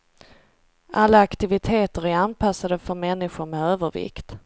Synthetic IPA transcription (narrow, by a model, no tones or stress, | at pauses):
ʔalːaːkt̪ɪvɪt̪ʰeːt̪əɾæɾanpʰasːad̪əfœɾmɛnːɪɧʊɾmɛøːvəɾvɪ̰kt̪